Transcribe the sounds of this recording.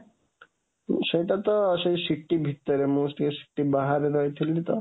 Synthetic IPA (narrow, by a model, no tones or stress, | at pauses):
ʃejʈat̪ɔʃejʃiʈːibʱit̪ːɔɾemoːsʈ̪ʰikeʃi̥ʈːibaɦaɾeɾɔet̪ʰilʈit̪ɔ̰